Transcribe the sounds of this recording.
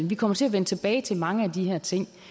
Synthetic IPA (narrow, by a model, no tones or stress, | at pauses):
n̩ʋikʰɒ̽mɐt͡sʰe̝æɐʋenət͡sʰe̝b̥ɛːɪt͡sʰe̝lmɑ̈ŋəæd̥ihæɐ̰t͡sʰe̝ŋ̰